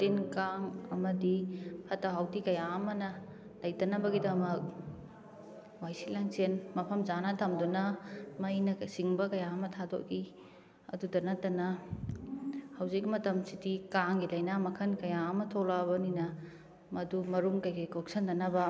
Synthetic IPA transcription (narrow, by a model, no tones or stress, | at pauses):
tinkaŋɐmɐdipʰɐtaɦawtikɐjamɐnɐ | lɐjtɐnɐbɐɡidɐmɐk̚ | wajsilaŋsenmɐpʰɐmzanatʰɐmdunɐmɐjnɐsiŋbɐkɐjamɐtʰado̰ʔ̚ɡi | ɐ̰dudɐnɐtɐnɐ | hɐwzikmɐtɐmsidikaŋɡilɐjnamɐkʰɐnkɐjamɐtʰolabɐninɐ | mɐdumɐɾumkɐjkajkʰok̚sɐndɐnɐbɐ